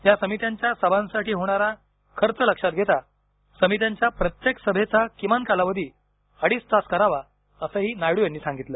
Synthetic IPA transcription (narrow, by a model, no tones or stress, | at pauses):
jasəmit̪jãɲt͡ɕjasəbʱãnsaʈiːɦoɽ̃aɾa | kʰəɾt͡sələkʂat̪̚ɡʱet̪a | səmit̪jãɲt͡ɕjapɾət̪jeksəbʱet͡sakimankalaʋəd̪ʱiː | aɽiːst̪askəɾaʋa | əsəɦiːnajɽuːjanːiːsãŋɡit̪ləː